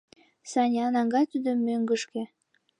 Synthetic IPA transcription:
sɑnʲɑnɑŋɡɑjt̪ud̪omːøŋɡə̆ʃkĕ

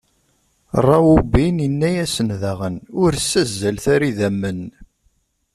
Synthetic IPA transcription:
rˤːɑwubinənːæjæsənðæʁənʊɾsːæzːælθæɾiðæmːən

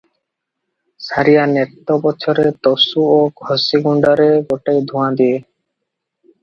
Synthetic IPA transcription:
saɾijanet̪ːobɔtːt͡ʃʰɔɾet̪ɔsuoɡʱɔsiɡuɳɖaɾeɡoʈejd̪ʱũãd̪ie

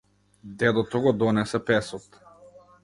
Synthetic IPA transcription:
d̪ɛd̪ɔt̪ɔɡɔd̪ɔnɛsɛpɛsɔt̪

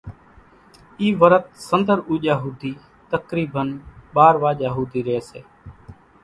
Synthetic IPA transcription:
iːʋəɾət̪̚sənd̪əɾuːʄaːɦuːd̪iː | t̪əkɾiːbənɓaːɾʋaːʄaːɦuːd̪iːɾeːsḛː

